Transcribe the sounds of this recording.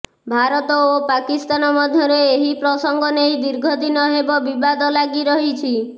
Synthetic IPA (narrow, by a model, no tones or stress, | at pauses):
bʱaɾɔt̪ɔopakist̪anɔmɔd̪ʱjɔɾeːɦipɾɔsɔŋɡɔneĩd̪iɾɡʱɔd̪inɔɦebɔbibad̪ɔlaɡiɾɔɦit͡ʃʰi